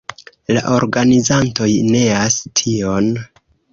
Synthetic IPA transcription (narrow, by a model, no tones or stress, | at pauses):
la̰ʔo̞ɾɡanizanto̞jne̞astʰio̞n